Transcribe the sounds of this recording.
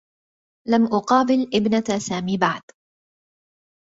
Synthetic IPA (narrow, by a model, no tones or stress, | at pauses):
lamʔʊqɑːbɪlʔɪbnasaːmiːbaʕd̪